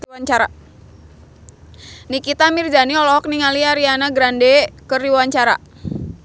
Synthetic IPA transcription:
aɲt͡ʃaɾa | nikit̪amird͡ʒaniɔlɔɔk̚niŋaliaɾianaɡɾandekəriwaɲt͡ʃaɾa̰

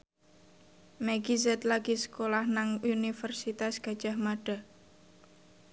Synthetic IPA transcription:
mɛɡizɛt̪laɡ̥isə̥kolahnaŋunifərsit̪asɡ̥a̤d̥ʒ̥a̤hmaɖ̥a̤

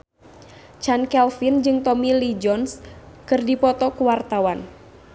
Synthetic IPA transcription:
t͡ʃankɛlfind͡ʒɨŋt̪ɔmilid͡ʒɔns | kɨrdipɔt̪ɔkuwart̪awan

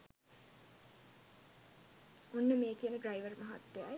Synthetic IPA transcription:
onːəmeːkiənədrajʋərmɐɦa̰t̪ːeja̰j

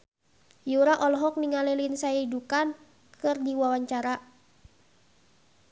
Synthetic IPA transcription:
juɾaʔɔlɔɦɔk̚niŋalilinsajaidukan | kɨrdiwawaɲt͡ʃaɾa

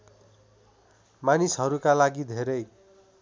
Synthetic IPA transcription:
manisɦʌɾukalaɡid̪ʱeɾʌj

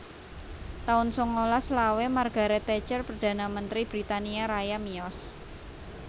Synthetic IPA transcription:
t̪aʊnsoŋolaslawemarɡ̥a̤ɾet̪ɛt͡ʃərpərd̪̥a̤namənt̪ɾib̥ɾit̪aniaɾajamiɔs

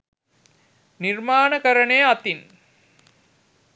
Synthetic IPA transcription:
nirmaːnɐkɐɾɐɳeːɐt̪in

